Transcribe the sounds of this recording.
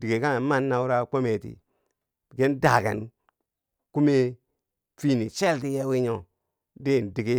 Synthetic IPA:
di˨ɡe˨ka˦˨˦ma˦˨nːa˨wu˦ɾa˦kʷo˦me˨tḭ˨ | ɡe˦nda˨ka̰˨n | ku˦me˦ | fi˦ni˨t͡ʃe˦lti˦je˦wi˦ɲo˨ | de˦˨n˨di˨ke˦

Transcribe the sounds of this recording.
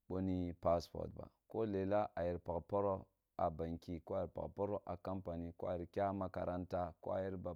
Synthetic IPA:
ɓo˦ni˦pa˦spo̰˨ɾtba̰˨ko˦le˨la˦ʔa˨ji˨ɾpa˨kpo˦ɾo˦ | a˨ba˨ŋki˦ko˦a˨ji˨ɾpa̰˨po˦ɾo˦ʔa˨ka˦mpa˨ni˦ko˦a˨i˨ɾkʲa˦ma˦ka˨ɾa˦nta˦ko̰˦a˨ji˦ɾba˨

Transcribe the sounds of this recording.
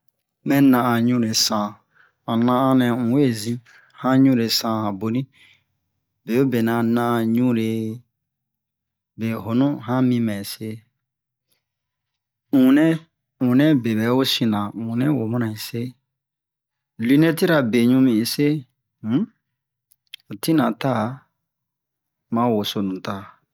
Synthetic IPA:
mɛ̃˦nã˨ʔa˨ɲũ˦ɾe˨sã˨ | ã˨nã˦ã˦nɛ̃˨ŋũ˨we˦˨zĩ˦ | hã˦ɲũ˦ɾe˨sã˦hã˨bo˨nĩ˦ | be˨o˦be˨nã˨nã˦a˨ɲũ˦ɾe˨ | be˨ɦo˨nũ˦ɦã˦mĩ˦mɛ̃˨se˦ | ŋũ˨nɛ̃˦ | ŋũ˨nɛ̃˦be˨bɛ˨˦o˦sĩ˨nã˨ŋũ˨nɛ̃˦wo˨mã˦nã˨ĩ˨se˦ | li˦nɛ˦ti˦ɾa˨be˨ɲũ˦mĩ˨sẽ˦ | o˨ti˦nã˨ta˦˨ | mã˦wo˨so˨nũ˨ta˨

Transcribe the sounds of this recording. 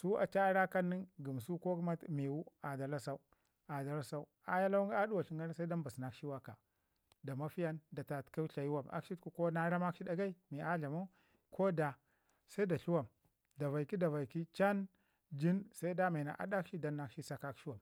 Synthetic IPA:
su˦a̰˨t͡ʃa˦ɾa˦ka˦nːi˦nɡi˨m˨su˦ko˦kma˦tmi˨wu˦a˨da˨la˦sa˦u˦ | a˨da˨la˦sa˦u˦a˨ja˦la˦wŋ˦a˦du˦wa˨ɬi˦ŋɡa˦ɾsa˦i˦da˦mba˨sna˨kʃi˦wa˦ka˨ | da˨ma˦fi˦ja˦nda˨ta˨tka˦ɬa˨ji˦wa˦˨ma̰˦kʃi˦tku˦ko˦na˦ɾa˦ma˦kʃi˦da˦ɡa˦i˦mi˨a˦ɮa˨ma˦ | ko˦da˨ | sa˦i˦da˨ɬu˦wa˨m | da˨va˨ki˦da˨va˨i˨ki˦t͡ʃa˦n | d͡ʒi˦nsa˦i˦da˦ma˨na̰˨ʔa̰˨da˦kʃi˦da˦nːa˨kʃi˦sa˨ka˦kʃi˦wa˨m

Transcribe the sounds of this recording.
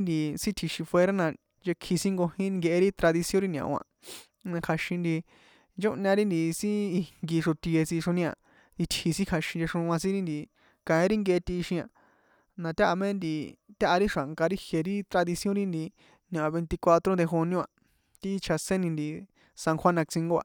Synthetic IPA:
nd̪i˧sĩ˦t̪ʰi˧ʃi˧fwe˧ɾa˦nã˧ | nd͡ʒe˧kʰːi˧sĩ˦ŋɡo˧hĩ˦˧ŋɡe˧e˧ɾi˦t̪ɾa˧ði˧sijõ˦ɾi˦nʲ˨ã̰˨ʔã̰˧˨ | nã˧kʰa˧ʃĩ˧nd̪i˧ | nd͡ʒo˦ʔɲã˧ɾi˦nd̪i˧sĩ˦i˧ŋɡi˧ʂo˧t̪i˧e˧si˧ʂõ˧nĩ˧ã̰˨ | i˧t̪hi˧sĩ˦kʰa˧ʃĩ˧d͡ʒe˧ʂõ˧ã˧sĩ˦ɾi˦nd̪i˧˨ | kã˨ĩ˧˦ɾi˦ŋɡe˧e˧t̪i˧ʃĩ˧ã̰˧˨ | nã˧t̪ʲa˦ʔa˧mẽ˦nd̪i˧t̪ʲa˦ʔa˧ɾi˦ʂa˨ŋka˧ɾi˦hje˨ɾi˦t̪ɾa˧ði˧sjõ˦ɾi˦nd̪i˧ | nã˨a˨βe˧nt̪i˧kʷa˧t̪ɾo˦d̪e˧xo˧ñũ˦a˨ | t̪i˦˧t͡ʃʰa˧sẽ˦nĩ˧nd̪i˧ | sã˧ŋxʰʷwa˦nã˧k̚t͡sĩ˧ŋɡo˦˧a̰˧˨

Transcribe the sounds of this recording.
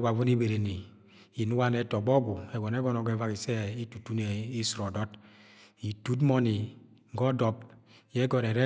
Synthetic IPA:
wa˨vu˦ni˦be˨ɾe˨ni˨ | i˨nu˦wa˦nɛ˦tɔ˨ɡ͡bɔ˦ɡu˨ɛ˨ɡɔ˨nɛ˦ɡɔ˦nɔ˨ɡɛ˦˨˦va˦ki˨sɛ˦i˦tu˨tu˦ne˨i˦sɾɔ˨dɔ˦t | i˨tu˦tmɔ˦ni˨ | ŋ̩˨ɡɔ˦dɔ˦p | jɛ˦ɡɔ˨ɾɛ˨ɾɛ˦

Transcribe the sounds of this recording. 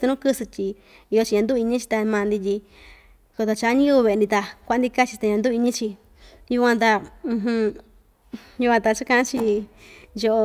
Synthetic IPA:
t̪u˧nũ˦kɨ˦sɨ˧t̪ʲi˧ | i˧jo˧t͡ʃi˧ɲã˧nd̪u˦˧i˧ɲĩ˦t͡ʃi̥˧t̪a˧mãː˧nd̪i˧i˧ | ko˧t̪a˧t͡ʃa˧˦ɲĩ˦u˧βe˧˨˧nd̪ĩ˧t̪a˧kʷa˧˦nd̪i˧ka˦t͡ʃi˧t̪a˧ɲã˧nd̪u˦˧i˧ɲĩ˦t͡ʃi˧ | ju˧kʷã˧t̪ã˧ɦũ˧ | ju˧kʷã˧t̪a˧t͡ʃa˦kã˧ʔã˦t͡ʃi˧ | jo˧ʔo˧

